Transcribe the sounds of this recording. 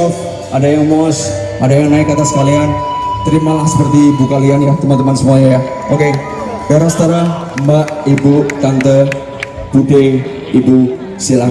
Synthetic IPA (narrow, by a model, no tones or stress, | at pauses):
ɔf | adajaŋmɔs | adajaŋnaɪkːat̪asə̥kalian | t̪əɾimalahsə̥pərt̪ibukalianjaht̪əmant̪əmansəmuaɲaa | ʔoke | daɾasət̪aɾah | mbaʔibuk̪ant̪ə | b̥udɪŋ | ibu | sila